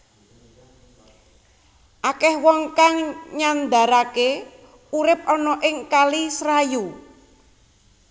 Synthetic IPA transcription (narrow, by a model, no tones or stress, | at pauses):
ʔakɛhwɔŋkaŋɲand̪a̤ɾake | uɾɪp̚ɔnɔʔɪŋkalisɾaju